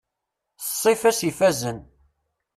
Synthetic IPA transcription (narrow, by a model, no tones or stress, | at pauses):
θsˤːifæsifæzən